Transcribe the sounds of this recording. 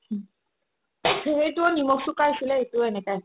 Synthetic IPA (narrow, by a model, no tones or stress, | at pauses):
ejtuonimɔksukajsilɛetuoɛnɛkaj